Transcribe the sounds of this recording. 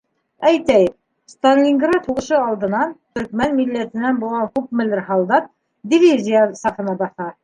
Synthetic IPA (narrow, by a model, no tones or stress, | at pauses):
æjt̪æjɘ | st̪anʲlʲiŋɡrɑt̪huʁɤ̆ʃɤɑlˠd̪ɤ̆nɑnt̪ɵ̆ɾkmænmilːæt̪ɘ̆nænbulˠʁɑkʉkmɘ̆lɘɾɦɑlˠd̪ɑt̪̚ | d̪ʲivʲizʲijasɑfɤ̆nɑbɑθɑ